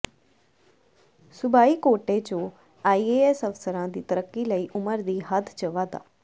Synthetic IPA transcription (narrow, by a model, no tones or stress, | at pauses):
sʊbaːiːkoːʈet͡ʃõː | aːiːeɛsəfsəɾãd̪iːt̪əɾəkːiləiːʔʊməɾd̪iːɦəd̪ʰt͡ʃəʋaːd̪a̰ː